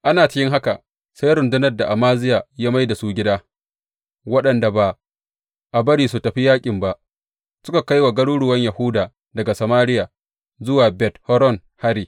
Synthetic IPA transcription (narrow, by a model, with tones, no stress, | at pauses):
ʔa˦naː˨t͡ʃɪ˦kʲɪ˦ŋɦa˦ka˨ | sa˦jɾʊ˨ndʊ˦nɐ˦rda˨ʔa˨maː˦zɪ˦jaː˨jaː˦ma˦jda˨suː˦ɡʲɪ˦daː˦ | wɐ˦ɗɐ˨nda˨ba˨ | ʔa˨bɐ˦ɽiː˨su˨tɐ˨ɸi˦jaː˦kʲʼɪ˨mba˦ʔ | sʊ˦ka˨ka˦jwa˨ɡɐ˦ɽuː˦ɽʊ˨wɐ˦ɲja˨hʊ˦daː˨ | dɐ˨ɡa˨sɐ˨maː˦ɽɪ˦jaː˨ | zʊ˦waː˨bɛ˦thɔ˦ɾɔ˦n | ha˦ɾiː˨